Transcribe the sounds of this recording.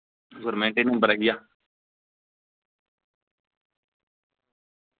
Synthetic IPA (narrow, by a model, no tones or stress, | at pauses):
ɡʊɾmẽːɳʈeːnẽːbəɾaːɡɪjaː